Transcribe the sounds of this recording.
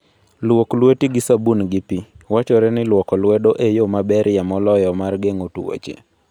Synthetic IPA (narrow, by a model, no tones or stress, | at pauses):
lwoklwetiɡɪsabunɡɪpiwat͡ʃɔɾɛnɪlwɔkɔlwɛdoʔejomabɛɾjamɔlɔjɔmarɡeŋotṵwo̰t͡ʃḛ